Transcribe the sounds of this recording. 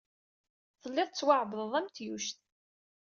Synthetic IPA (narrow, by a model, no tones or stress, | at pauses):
θəlːɪðˤt͡sːwaʕbəððˤæmt̪juʃt̪